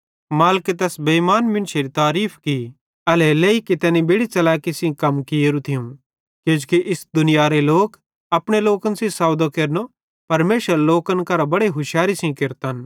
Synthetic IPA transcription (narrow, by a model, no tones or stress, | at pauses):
maːlket̪ɛːsbɐimaːnmɪ̃nʃeɾit̪aːɾiːpʰki | ɐlɛleikit̪ɛːnĩbeɽit͡ʃɐlaːkisĩkɐmkieɾut̪ʰiũ | keʊd͡ʒkiʔɪsd̪ʊnɪjaɾeloːk | ɐpɽ̃eloːkənsĩsaːwd̪okeɾno | pɐɾmeːʃəɾloːkənkɐɾabɐɽeɦʊʃjaːɾisĩkɪɾt̪ɐn